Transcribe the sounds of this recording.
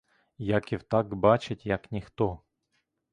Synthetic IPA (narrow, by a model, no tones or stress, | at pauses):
jakʲɪwt̪aɡbat͡ʃɪtʲjaknʲɪxt̪ɔ